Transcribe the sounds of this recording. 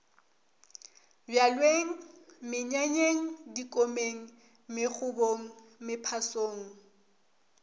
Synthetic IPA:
bjalweŋ̩mɪɲaɲeŋ̩dikʼomeŋ̩ | mɪk͡xʰʊboŋ̩mɪpʰasoːŋ̩

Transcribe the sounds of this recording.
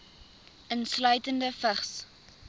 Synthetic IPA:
ʔənslœɥtəndəfəχs

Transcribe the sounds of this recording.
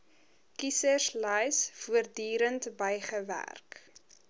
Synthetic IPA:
kisərslɛjsfuərdyːɾəntbəjχəvæ̰rk

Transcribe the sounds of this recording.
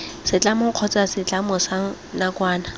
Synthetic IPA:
sɪt͡ɬʼamʊq͡χʰɔt͡sasɪt͡ɬʼamʊsaŋ̩ | nakwaːna

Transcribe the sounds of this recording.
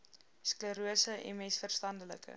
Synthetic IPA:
skləɾuəsəʔɛ̰nmɛsfərstɐndələ̰kə̰

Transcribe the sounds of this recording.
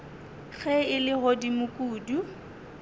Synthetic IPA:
ɣɛɪlɪɣodimʊkʼuːdu

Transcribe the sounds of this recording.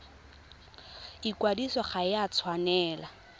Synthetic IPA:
ikwadisɔχajat͡sʰwanɛːla

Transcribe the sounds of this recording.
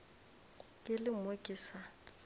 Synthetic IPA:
kʼɪlɪmokʼiːsa

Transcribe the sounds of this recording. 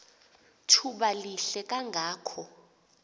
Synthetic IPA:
tʰuɓaliɬɛkʼaŋɡʱaːkʰɔ

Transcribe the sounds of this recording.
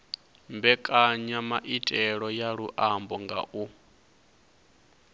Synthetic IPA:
mbɛkʼaɲamaʔitʼɛɺɔjaɺuʔambɔŋɡa̰ʔu

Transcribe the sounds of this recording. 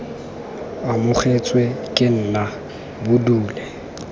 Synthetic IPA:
amʊχʰet͡sʼwekʼɪn̩na | bʊduːlɛ

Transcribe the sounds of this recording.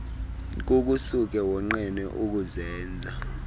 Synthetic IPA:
k̬uk̬ʼusuk̬ɛwɔŋ͡ǃɛnɛʔuk̬uzɛːnd͡zʱa

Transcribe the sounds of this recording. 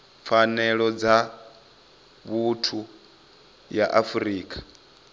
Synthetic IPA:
fʰanɛɺɔd͡za | βutʰu | jaʔafuɾiːkʼḁ

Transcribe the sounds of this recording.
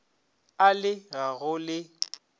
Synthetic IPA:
alɪɣaɣʊlɪ

